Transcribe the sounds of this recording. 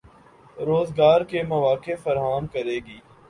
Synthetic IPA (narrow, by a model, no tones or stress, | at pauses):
ɾoːzɡaːɾkemɐʋaːkefɐɾɦaːmkɐɾeːɡiː